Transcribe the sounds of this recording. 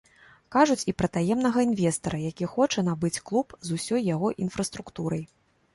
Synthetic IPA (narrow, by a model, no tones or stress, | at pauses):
kaʐut͡sʲipɾɐt̪ajɛmnɐɣɐinvʲɛst̪ɐɾɐjakʲixɔt͡ʂɐnabɨt͡sʲklˠupzusʲɔjːaɣɔʔinfɾɐst̪ɾukt̪uɾɐj